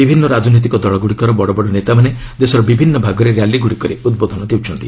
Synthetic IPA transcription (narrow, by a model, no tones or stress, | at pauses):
bibʱinːɔɾad͡ʒɔnɔt̪̬ikɔd̪ɔɭɔɡuɽikɔɾɔbɔɽɔbɔɽɔnet̪amane | d̪esɔɾɔbibʱinːɔbʱaɡɔɾeɾjalːiɡuɽikɔɾeud̪̚bod̪ʱɔnɔd̪iwt͡ʃʰɔnt̪i